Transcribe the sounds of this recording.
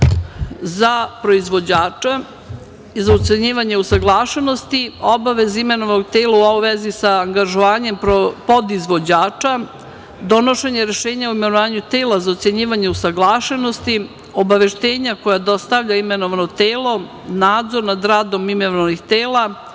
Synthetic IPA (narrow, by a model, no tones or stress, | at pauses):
zapɾo̞izʋo̞d͡ʑaːt͡ʃa | izaut̪seɲiːʋaɲeusaɡlˠaːʃeno̞st̪io̞baʋe̞zime̞noʋanoɡ̚t̪eːlauoʋezisaːŋɡaʒoʋaːɲe̞mpo̞d̪izʋo̞d͡ʑaːt͡ʃa | d̪o̞no̞ʃe̞ɲeɾe̞ʃe̞ːɲauime̞noʋaːɲut̪e̞ːlazaot̪seɲiːʋaɲe̞usaɡlˠaːʃe̞no̞st̪i | o̞baʋe̞ʃt̪e̞ːɲako̞jad̪o̞st̪aʋʎaime̞noʋano̞t̪eːlˠo̞ | naːd̪zo̞ɾnad̪ɾaːd̪o̞mimenooʋanixt̪eːla